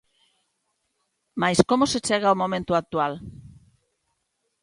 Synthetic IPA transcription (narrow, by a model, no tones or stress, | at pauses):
majskomoset͡ʃeɣaumõmẽnt̪uak̚t̪ual